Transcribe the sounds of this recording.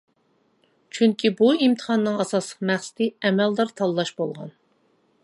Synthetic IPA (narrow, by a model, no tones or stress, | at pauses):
t͡ʃʰyŋkʲʰibuimt̪ʰə̥χɑnːɨŋɑsɑslˠəqmæχsɪ̥t̪ʰɨɛmɛld̪ɑɾt̪ʰɑlːˠɑʃbolˠʁɑ̰n